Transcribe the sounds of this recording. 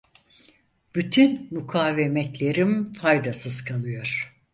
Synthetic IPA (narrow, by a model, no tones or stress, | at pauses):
b̥yt̪ʰynmukʰaːvemɛt̪lʲe̞ɾimfajd̪asɯzkʰalˠɯjo̞ɾ̥